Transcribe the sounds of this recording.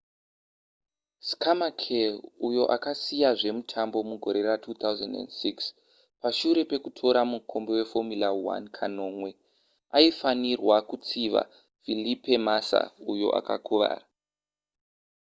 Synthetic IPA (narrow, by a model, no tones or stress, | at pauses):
skʰamakʰelujo̞ʔakasijaʐe̞mutʰambo̞muɡʱo̞̰ɾe̞ratʰuːt̪awzḛndḛndsiks | paʃuɾe̞pe̞kutʰo̞ɾamukʰo̞mbewe̞fo̞milawa̰nkʰano̞ːmwe̞ | aifanirwakut͡siʋa̰ | filipe̞masa̰ujo̞̰ʔa̰ka̰kʰuʋa̰ːra